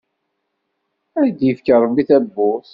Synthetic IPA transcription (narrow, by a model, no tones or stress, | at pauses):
æɾd̪jəfkəɾˤmːiθæbːʊθ